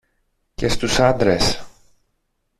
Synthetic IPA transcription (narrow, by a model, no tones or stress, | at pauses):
ce̞st̪usɐnd̪ɾes